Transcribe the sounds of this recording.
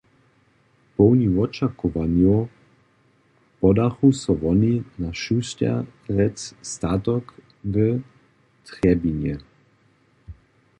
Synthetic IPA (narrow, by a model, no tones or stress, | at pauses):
pɔwniɔt͡ʃakɔʋanjo | pɔd̪axusɔvɔninaʃusca̰ɾɛtst̪at̪ɔk | və | t̪ɾɛbinjɛ